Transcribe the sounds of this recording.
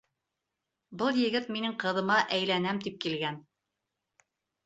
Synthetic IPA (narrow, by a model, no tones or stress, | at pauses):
bɤlˠjɘ̆ɡɘt̪minɘŋqɤ̆ðɤ̆mɑʔæjlænæmt̪ip̚kilɡæn